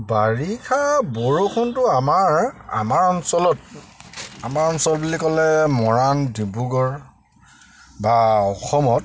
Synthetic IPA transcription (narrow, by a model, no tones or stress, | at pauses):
baɹikʰaboɹukʰɔntʊamaɹa̰maɹɔnsɔlɔt̚ | amaɹɔnsɔlbulikɔlɛmɔɹandibuɡɔɹ | baɔxʰɔmɔt̚